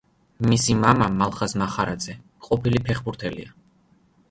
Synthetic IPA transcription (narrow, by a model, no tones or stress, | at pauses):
misimamamalˠχasmaχaɾad̪z̥ɛ | qʼɔpʰilipʰɛχbuɾt̪ʰɛlḭa